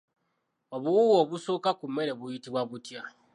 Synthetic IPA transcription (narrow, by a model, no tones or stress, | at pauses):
oβuuwoβusokakumeɾe̞βujitiβwaβutja